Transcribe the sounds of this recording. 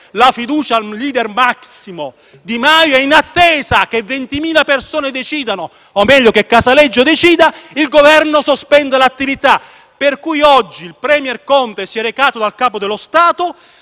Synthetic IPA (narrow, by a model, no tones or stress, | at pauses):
lafid̪uːt͡ʃaliːd̪ɛrmaksimo | d̪imajoɛinat̪ːeːzak̟evːent̪imiːlapersoːned̪et͡ʃiːd̪ano | omɛʎːokekːasalɛd͡ʒːod̪ɛt͡ʃiːd̪ailɡovɛrnosospɛnd̪alat̪ːivit̪a | perkujɔd͡ʒːiːlpɾɛmjɛrkɔnt̪esiɛɾekaːt̪od̪alkaːpod̪elːost̪aːt̪o